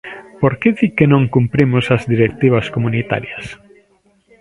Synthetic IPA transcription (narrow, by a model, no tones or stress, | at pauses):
poɾkeðikenõŋkumpɾimosazðiɾek̚t̪iβ̞askomunit̪a̰ɾjas